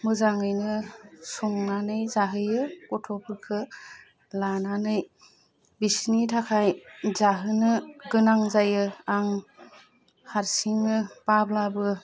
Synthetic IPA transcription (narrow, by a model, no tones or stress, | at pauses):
mɯzaŋɯjnɯsuŋnanɯjzaɦɯjɯkɔtʰɔpʰɯkʰɯ | lananɯj | bisnitʰakʰajzaɦɯnɯɡɯnaŋzajɯaŋ | haɾsiŋnɯpablabɯ